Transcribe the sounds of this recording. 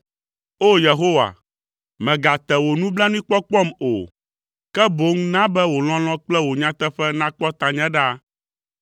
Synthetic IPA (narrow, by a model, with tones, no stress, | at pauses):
o˦je˨ɦo˦wa̰˨ | mɛ̃˨ɡa˨t̪ɛ˨wo˨nũ˦bla˦nũ˦ĩ˦k͡pɔ˦k͡pɔ˦˨mo˨ | kɛ˦bo˨˦ŋ˦nã˦bɛ˦wo˨l̃ɔ̃˦l̃ɔ̃˦k͡plɛ˦wo˨ɲã˦t̪ɛ˦ɸɛ˦nã˦k͡pɔ˦t̪ã˨ɲɛ̃˦ɖa˦